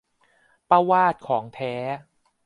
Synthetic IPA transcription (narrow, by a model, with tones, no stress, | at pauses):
pa˧waː˥˩t̪̚kʰɔː˩˦ŋt̪ʰɛː˦˥